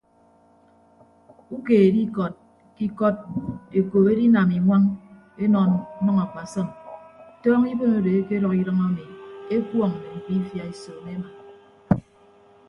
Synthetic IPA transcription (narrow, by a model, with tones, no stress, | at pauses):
u˦ke˨e˨di˦kɔ˨t̚ | ki˦kɔ˦t̚e˨koː˨be˦di˦na˨mi˨ŋʷa˦ŋ | e˦nɔ˨n˦nɔ˦ŋa˨ka˨sɔ˦˨m˨tɔː˦ŋi˦bo˦mo˨de˨e˦ke˦ɾɔ˨ki˦ɾʌ˦ŋa˦mi˨e˦kwɔ˦˨ŋ˨ne˨m̩˨pi˦fja˨e˨sɔː˨me˦ma˨